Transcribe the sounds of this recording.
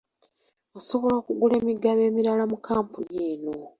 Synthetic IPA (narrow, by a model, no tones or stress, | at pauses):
oso̞βo̞loːkuɡule̞ːmiɡaβe̞ːmiɾalamukaːmpuɲeːno̞